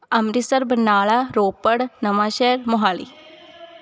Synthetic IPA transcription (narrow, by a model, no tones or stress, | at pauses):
ɐmɾisɐɾbɐnaːɭɐɾoːpːɐɽnɐmaːʃeːɾmoɦaːɭḭ